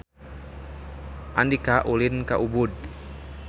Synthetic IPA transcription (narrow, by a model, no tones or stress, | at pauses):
ʔandikaʔulinkaʔubud̚